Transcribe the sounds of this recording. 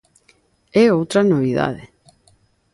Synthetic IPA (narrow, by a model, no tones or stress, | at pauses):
ɛowt̪ɾɐnoβ̞iða̰ðe